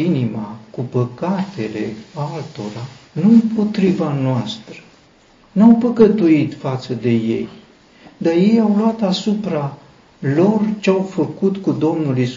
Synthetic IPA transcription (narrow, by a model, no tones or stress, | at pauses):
inimakupəkat̪e̞le̞alt̪o̞ɾanuɨmpo̞t̪ɾivanoast̪ɾə | nawpəkət̪uit̪fat̪səd̪e̞je̞̰j | d̪arje̞jawloat̪asupɾa | lo̞rt͡ʃeawfəkut̪kud̪o̞mnulis